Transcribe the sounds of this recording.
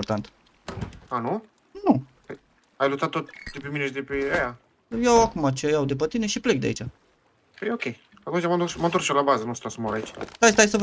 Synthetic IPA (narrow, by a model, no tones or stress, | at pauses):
ort̪ant̪ | anu | nu | aj | ajlut̪at̪ːot̪̚d̪epemineʃid̪epeaja | jawakumat͡ʃejawd̪e̞pət̪ineʃiplek̚d̪ḛa̰it͡ʃa | ejokʲej | at̪unt͡ʃamad̪usmənt̪oɾsʃjolabazənusɨ̥t̪asumaɾait͡ʃʲt̪ajst̪ajsəv